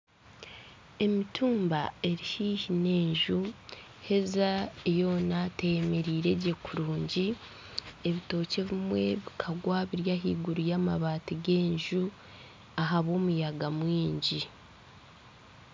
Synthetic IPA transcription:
e̞mitʰuːmbae̞ɾihiːhine̞ːɲʒu | he̞zaejo̞ːnatejemeɾiːɾe̞ɟe̞kuɾuːɲɟi | eβito̞ːce̞βimwe̞βikʰaɡwaβiɾjaɦḭːɡuɾujaːmaβaːtiɡe̞ːɲʒu | aɦaβo̞ːmujaɡamwiːɲɟi

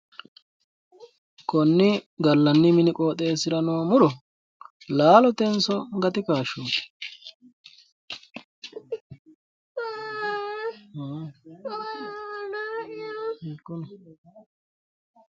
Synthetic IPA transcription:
kʰɔnːɪɡɐlːɐnːɪmɪnɪkʼo̞ːt̪ʼe̞ːsɪɾɐnoːmʊɾɔ | laːlɔt̪ɛnsɔɡɐt̪ɪkaːʃːo̥ː | kːɔn

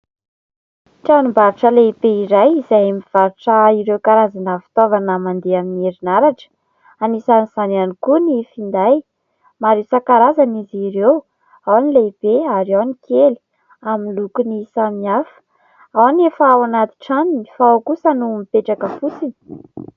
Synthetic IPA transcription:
ʈ͡ʂanimbaɾuʈ͡ʂəleib̥eiɾajizajamiv̥aɾuʈ͡ʂəiɾewkaɾazanəfi̥t̪ovanəmand̪eaminieɾinaɾaʈ͡ʂə̥ | anisaniz̥ananikunifind̪aj | maɾesakaɾazaniziɾew | awanileib̥eaɾawnikʰeli̥ | aminlukunisamiafə̥ | awanefawanat̪i̥ʈ͡ʂaninifawkusənumipeʈ͡ʂakəfut͡sini̥

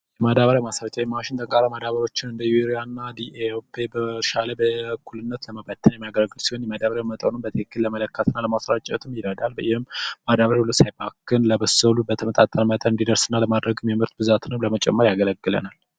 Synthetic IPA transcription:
jɛmad̪aβəɾamasɾat͡ʃʼawjɛmaʃɪnt̪ʼəŋkʼaɾamad̪aβəɾo̞t͡ʃːɪnɨnd̪əjuɾianːad̪iʔeopʰebəʃaləbəkʰulɨnːət̪ləməbat̪ʰːənjɛmijaɡəlɡːɨlsiho̞njɛmad̪aβəɾamət̪ʼənɨmbət̪ʰekːɨlləmələkʰːət̪ʰɨnːaləmasɾat͡ʃʼːɛ̰t̪ʰɨmjɪɾəd̪albəjɪhɨmmːad̪aβəɾhulːəsajbakʰːɨnləbəsəlubət̪ʰəmət̪ʼat̪ʼənmət̪ʼənɨnd̪id̪əɾsɨnːaləmad̪ɾəɡɨmjɛmɨɾt̪bɨzat̪ʰɨnɨmləmət͡ʃʼɛ̰mːəɾjaɡələɡːɨlə̰nal

